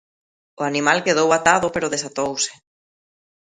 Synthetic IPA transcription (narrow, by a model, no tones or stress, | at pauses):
oanĩmalkeð̞owat̪aðopeɾoðesat̪owse̥